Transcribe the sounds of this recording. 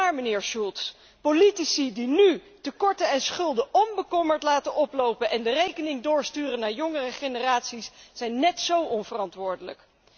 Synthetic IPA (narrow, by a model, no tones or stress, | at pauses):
aːɹmənɪːɹʃulˠts | politisidiny | təkɔɹtəɛnsχɵlˠdəʔɔnbəkɔməɹtlaːtənɔplowpənʔɛndərejkənɪŋdʊːɹstyːrənaːɹjɔŋərəχenəraːtsisz̥ɛjnːɛtsowʔɔnvərɑntʋʊːɹdələ̰k